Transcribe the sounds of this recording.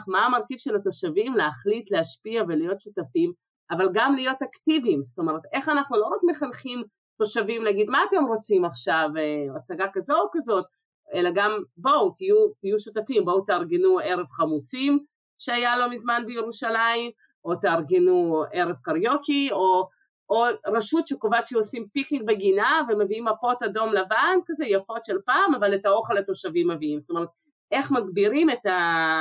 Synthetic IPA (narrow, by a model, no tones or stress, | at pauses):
χmaːmaʁkivʃelat̪o̞ʃavimleaχlitleaʃpiavelijo̞t̪ʃutafim | avalɡamlijo̞t̪aktivimzo̥t̪o̞me̞ʁet̪e̞χanaχnulo̞ʁakme̞χalχim | to̞ʃavimnaɡid̪maːte̞mʁo̞t͡simaχʃavat͡saɡakazo̞kazo̞t̪̚ | e̞laɡambo̞wt̪ijut̪ijuʃut̪afimbo̞wt̪aʁɡenue̞ʁevχamut͡sim | ʃeajalo̞mizmanbejeʁuʃalaim | ʔo̞t̪aːʁɡenue̞ʁe̞vkaʁjo̞kio̞ | oʁaʃutʃekovatʃeosimpiknik̚beɡinaveme̞viimapo̞tado̞mlavankazejafo̞tʃe̞lpaːmavaletaoχelato̞ʃavimːeviimzo̥t̪ome̞ʁet̪̚ | e̞χmaɡbiʁime̞ta